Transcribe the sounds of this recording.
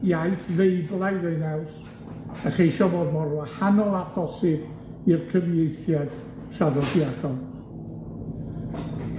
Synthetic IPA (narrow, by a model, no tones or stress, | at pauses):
jaɨθvejblˠajðejnaws | aχejʃɔboːdmɔrwahanɔafʰɔsɪb | irkʰəvjejθjad̥ | ʃavədjadɔlˠ